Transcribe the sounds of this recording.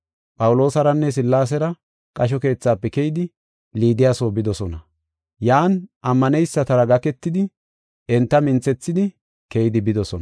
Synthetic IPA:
pʼɐwlo̞ːsɐɾɐnːɛs̬ɪlːaːs̬ɛɾɐ | kʼɐʃ̬ɔke̞ːt͡sːaːpːɛkɛjɪd̪ɪ | liːd̪ɪjaːso̞ːbɪd̪ɔsɔnɐ | jaːnʔɐmːɐnɛjsːɐt̪ɐɾɐɡɐkɛt̪ːɪd̪ɪ | ɛnt̪ːɐmɪnt͡sːɛt͡sːɪd̪ɪ | kɛjɪd̪ɪbɪd̪ɔsɔnɐ

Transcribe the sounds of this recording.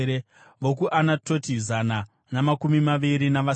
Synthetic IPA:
e | ʋo̞k̬uʔanato̞tizana | namakumimaʋiɾinaʋa

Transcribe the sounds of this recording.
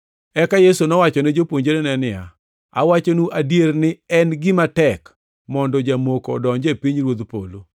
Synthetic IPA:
ɛkajesonɔwat͡ʃɔned͡ʒopwoɲd͡ʒeɾenɛnɪa̰ | a̰wat͡ʃonuʔadjernɪɛnɡɪmatɛk | mɔndɔd͡ʒamokɔ̰dɔɲd͡ʒɛpiɲɾwod̪po̰lo

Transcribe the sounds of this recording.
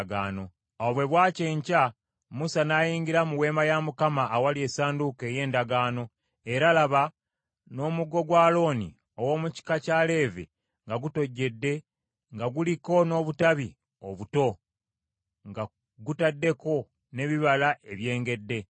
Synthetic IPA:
ɡaːno̞ | awoβwe̞βwaːce̞ːɲca | musanaːjiːɲɡiɾamuwe̞ːmajamukamaʔːwalie̞saːnduke̞ːje̞ːndaɡaːno̞ | e̞ɾalaβa | no̞ːmuɡo̞ɡwaːlo̞ːnḭ | o̞wo̞ːmuci̥kacale̞ːvḛ | ŋɡaɡuto̞ɟːe̞dːe̞ | ŋɡaɡuliko̞no̞ːβutaβi | o̞βuto̞ | ŋɡa | ɡutadːe̞ko̞ | ne̞βiβalaʔe̞βje̞ːŋɡe̞dːe̞

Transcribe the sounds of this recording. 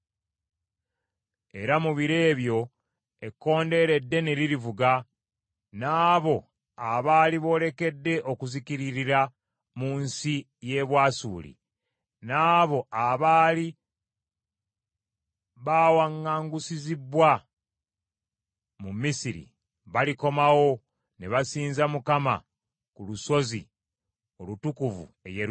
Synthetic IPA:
e̞ɾamuβiɾe̞ːβjo̞ | e̞kːo̞ːnde̞ɾe̞dːe̞neɾiɾivuɡa | naːβo̞ | aβaːliβo̞ːle̞ke̞dːe̞ʔo̞kuzikiɾiɾiɾa | muːnsi | je̞βwaːsṵːlḭ | naːβo̞aβaːli | βaːwaŋːaːŋɡusizibwa | mumisiɾḭ | βaliko̞mawo̞ | neβasiːnzamukama̰ | kuluso̞zḭ | o̞lutukuvṵe̞̰je

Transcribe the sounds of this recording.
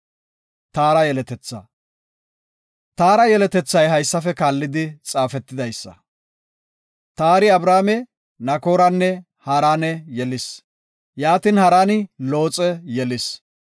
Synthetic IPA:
t̪aːɾɐjɛlɛt̪ɛt͡sːɐ̰ | t̪aːɾɐjɛlɛt̪ɛt͡sːɐjɦɐjsːɐfɛkaːlːɪd̪ɪt͡sʼaːfɛt̪ːɪd̪ɐjsːɐ̰ | t̪aːɾɪɐbɾaːmɛ | nɐko̞ːɾɐnːɛ | hɐɾaːnɛjɛlɪs | jaːt̪ɪnhɐɾaːnɪlo̞ːt͡sʼɛjɛlɪs

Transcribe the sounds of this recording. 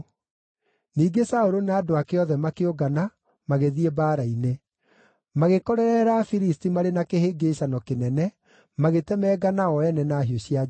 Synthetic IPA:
niːɡesaoɾonaːdoakeɔðɛmakeoɡana | maɣeðiebaːɾaine | maɣekɔɾɛɾɛɾafiɾistimaɾenakeheɡeːɕanɔkenɛnɛ | maɣetɛmɛːɡanaɔɛnɛnaːɦioɕia

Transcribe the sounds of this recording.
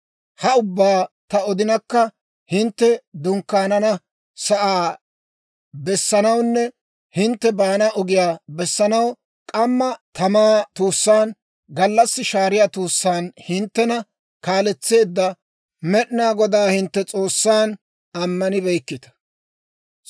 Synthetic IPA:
hɐʊbːaːt̪ɐɔd̪ɪnɐkːɐ | hɪnt̪ːɛd̪ʊŋkːaːnɐnɐ | sɐʔaː | bɛsːɐnɐwnːɛ | hɪnt̪ːɛbaːnɐʔɔɡɪjaːbɛsːɐnɐw | kʼɐmːɐt̪ɐmaːt̪uːsːaːn | ɡɐlːɐsːɪʃaːɾɪjaːt̪uːsːaːnhɪnt̪ːɛnɐ | kaːlɛt͡sːe̞ːd̪ːɐ | mɛɗɪnaːɡɔd̪aːhɪnt̪ːɛt͡sʼo̞ːsːaːn | ɐmːɐnɪbɛjkːɪt̪ɐ̥

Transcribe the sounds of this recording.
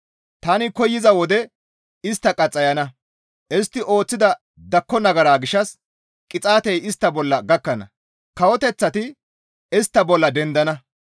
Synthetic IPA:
t̪aːnɪkɔjːɪzɐwɔd̪ɛ | ɪst̪ːɐkʼɐt͡sʼːɐjɐnɐ | ʔɛst̪ːɪʔo̞ːt͡sːɪd̪ɐ | d̪ɐkːɔnɐɡɐɾaːɡɪʃːɐs | kʼːɪt͡sʼaːt̪ɛjɪst̪ːɐbɔlːɐɡɐkːɐnɐ̰ | kɐwɔt̪ɛt͡sːɐt̪ɪ | ɛst̪ːɐbɔlːɐd̪ɛnd̪ɐnɐ

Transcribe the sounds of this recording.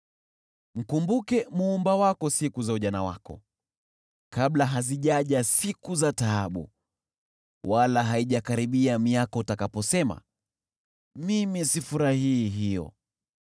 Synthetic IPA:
m̩kumbukɛmuːmbawakɔsikuzauʄanawa̰kɔ̰ | kaɓlaɦaziʄaʄasikuzataaɓṵ | walaɦaiʄakaɾiɓiamiakɔutakapɔsɛma̰ | mimisifuɾahiːɦijɔ̰

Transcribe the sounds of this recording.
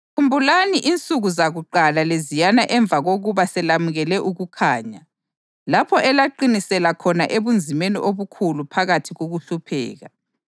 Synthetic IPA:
kʰumbʱulaniʔint͡sʼuɣuzaɣuǃalalezijanaʔɛɱb̪vʱaɣoɣuβasɛlamuɣɛlɛʔuɣukʰaːɲa | lapʰɔʔɛlaǃinisɛlakʰɔnaʔeβund͡zʱimeniʔoβukʰulupʰaɣatʰiɣoɣuɬupʰɛ̰ːɣa̰

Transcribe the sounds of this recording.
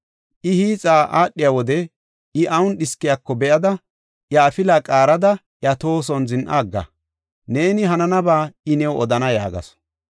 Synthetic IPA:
ʔɪhiːt͡sʼaːʔaːɗːɪjawɔd̪ɛ | ɪʔɐwʊnɗɪskːɪjakːɔbɛʔɐd̪ɐ | ʔjɐːfɪlaːkʼaːɾɐd̪ɐ | ʔjɐt̪o̞ːs̬ɔnzɪnʔaːɡːɐ̰ | ne̞ːnɪɦɐnɐnɐbaːɪnɛwɔd̪ɐnɐja̰ːɡɐ̰s

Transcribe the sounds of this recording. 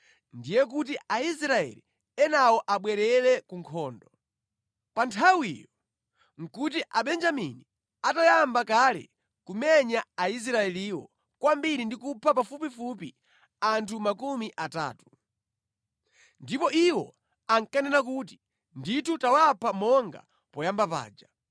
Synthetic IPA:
ndijɛk̬ut̬iaisɾaɛ̰lḭ | ɛnawɔʔaɓwɛɾɛlɛkuŋkʰɔːndɔ | pantʰawijɔ | ŋ̩kut̬iʔaɓɛnd͡ʒamḭni | atajambakalɛ̰ | kumɛɲaais̬ɾaɛliwɔ̰ | kwambiɾindikupʰapafupifupi | antʰumakumiʔata̰ːtu̥ | ndipɔʔiwɔ | aŋkanɛnak̬ut̬i̥ | nditʰutawapʰamɔŋɡa̰ | pɔjambapa̰ːd͡ʒa

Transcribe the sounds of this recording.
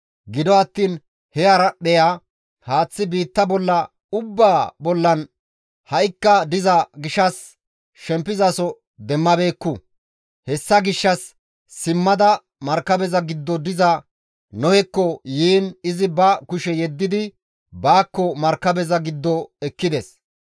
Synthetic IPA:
ɡɪd̪ɔɐt̪ːiːn | hɛɐɾɐɗɛja | haːt͡sːɪbiːt̪ːɐbɔlːɐ | ʊbːaːbɔlːɐn | hɐʔɪkːɐd̪ɪzɐɡɪʃːɐs | ʃɛmpːɪzɐsɔ | d̪ɛmːɐbe̞ːkːʊ | hɛsːɐɡɪʃːɐsː | ɪmːɐd̪ɐ | mɐɾkːɐbɛzɐɡɪd̪ːɔd̪ɪzɐ | nɔhɛkːɔjiːnɪzɪbɐkʊʃɛjɛd̪ːɪd̪ɪ | baːkːɔmɐɾkːɐbɛzɐɡɪd̪ːɔɛkːɪd̪ɛs

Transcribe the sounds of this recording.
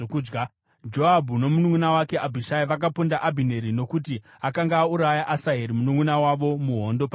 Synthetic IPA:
okːɡa | d͡ʒo̞abʱuno̞munuŋunawakeʔabʱiʃaiʋak̬apundaʔabʱine̞ɾino̞kuti | akaŋɡaːuɾajaʔasaɦeɾimunuŋunawaʋo̞muɦo̞ndo̞pa

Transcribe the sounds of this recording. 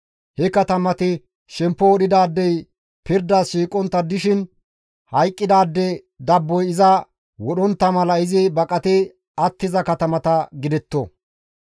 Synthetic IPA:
hɛkɐt̪ɐmɐt̪ɪ | ʃɛmpːɔɔɗɪd̪aːd̪ːɛj | pɪɾd̪aːsʃiːkʼɔnt̪ːɐd̪ɪʃɪn | hɐjkʼːɪd̪aːd̪ːɛ | d̪ɐbːɔjɪzɐ | wɔɗɔnt̪ːɐmɐlɐɪzɪbɐkʼɐt̪ɪ | ɐt̪ːɪzɐkɐt̪ɐmɐt̪ɐɡɪd̪ɛt̪ːɔ

